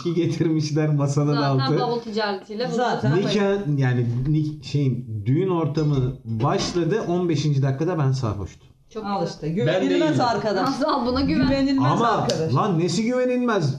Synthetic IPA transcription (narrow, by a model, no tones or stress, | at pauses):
iɟe̞t̪ʰiɾmiʃlʲæɾmasalˠadalˠɯabulˠt̪ʰid͡ʒaːɾet̪ʰiːlʲɛbzaːt̪ʰnicʰajaːninʲiʃe̞jind̪yjyno̞ɾt̪ʰamɯbaʃlˠad̪ɯʔo̞nbe̞ʃind͡ʒid̪akʰːad̪abænsa̰ːɦo̞̰ʃt̪ʰʊ̥ | t͡ʃʰok̪ˠɯʃt̪ɯɟyvenilʲmæzaɾkad̪aʃabunaɟyvvenilʲmamaɾkalˠanːesiɟyve̞nilʲmæz